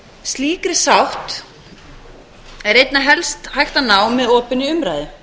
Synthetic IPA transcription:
st̪liːkɾɪsawht̪ | ɛɾejt̪naɦɛlst̪hajht̪anaːwmɛðɔːpɪnːɪʏmɾajðɪ

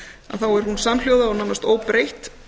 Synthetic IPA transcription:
a̰ðθawɛɾ̥hunsaml̥joːwðaawnawnast̪oːwpɾejht̪

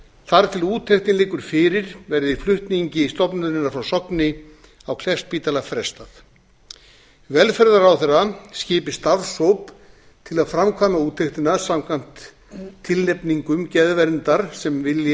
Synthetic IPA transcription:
θaɾt̪ʰɪluːt̪ʰeht̪ɪnlɪːkʏɾ̥fɪːɾɪɾvɛɾðɪflʏht̪niɲcɪist̪ɔpnʏðɪnːaɾfɾawsɔknɪ | awkʰlɛst̪̚piːt̪alafɾɛst̪aθ | vɛlfɛɾðaɾawθɛrːascɪːpɪst̪aðsowp | t̪ʰɪlaðfɾamkʰvamauːt̪ʰːeht̪ɪnasamkʰvan̥t̪ʰː | ɪlnɛpniŋkʏmcɛðvɛɾnt̪aɾ̥sɛmvɪlj

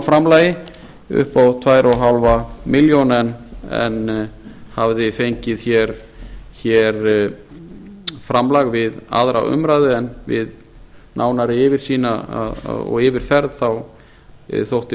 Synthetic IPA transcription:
fɾamlaːjɪ | ʏ̰hpawt̪ʰvaːjɾʔɔɦalvamɪljonɛnɛ̰n | havðɪfejɲcɪðçɛɾ̥ | çɛɾ | fɾamlaɣvɪða̰ðɾa̰ʔʏ̰mɾaːjðɪɛnvɪð | nʔaːwnaɾɪɪvɪɾ̥siːnaa̰ðɔ̰ɣɪvɪɾ̥fɛɾðθaw̰ | θowht̪ɪ

